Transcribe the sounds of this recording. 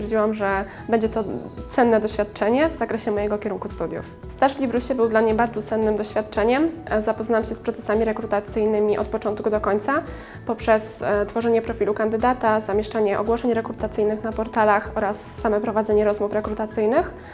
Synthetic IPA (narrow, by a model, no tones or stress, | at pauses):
jɛɾd͡ʑiwamʐɛ | bɛɲd͡ʑɛt̪ɔt̪sɛnːɛd̪ɔɕfʲjat̪̚t͡ʂɛɲɛvz̥akɾɛɕɛmɔjɛɡɔkʲɛɾuŋkust̪ud̪ʲjṵf | st̪aʐvlʲibɾuɕɛbɘwd̪lamɲɛbaɾd̪zɔt̪sɛnːɘmd̪ɔɕfʲjat̪t͡ʂɛɲɛmzapɔznamɕɛspɾɔt̪sɛ̥samʲiɾɛkɾut̪at̪sɘjnɘmʲiʔɔt̪̚pɔt͡ʂɔnt̪kud̪ɔkɔɲt̪sa | pɔpʂɛst̪fɔʐɛɲɛpɾɔfʲilukand̪ɘd̪at̪azamʲjɛʂt͡ʂaɲɛʔɔ̰ɡwɔʂɛɲɾɛkɾut̪at̪sɘjnɘxnapɔɾt̪alaxɔɾasːamɛpɾɔvad̪zɛɲɛɾɔzmufɾɛkɾut̪at̪sɘjnɘx